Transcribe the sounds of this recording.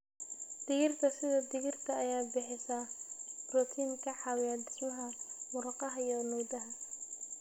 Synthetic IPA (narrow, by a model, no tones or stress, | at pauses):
d̪̥ɪɣɪrk̪ʰɐsɪðɐd̪ɪɣɪrt̪ʰɐːjaːbɪħɪsɐbrɔt̪ʰiːŋkʰɐħɑwɪjɐːd̪ɪsmɐɦɐmʊɾɑqɑɦɐjɔmɔjd̪ɐɦɐ